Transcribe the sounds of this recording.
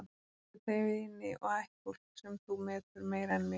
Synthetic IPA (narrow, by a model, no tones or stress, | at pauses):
a | tɪt̪ʰeːjvɪɪnːɪʔɔɣajhkɔl̥tsɛmθumɛːt̪ʏɾmeːjɾanmɪ